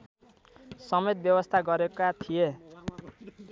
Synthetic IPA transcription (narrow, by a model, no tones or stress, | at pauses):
sʌmet̪̚bjʌbʌst̪ʰaɡʌɾekat̪ʰie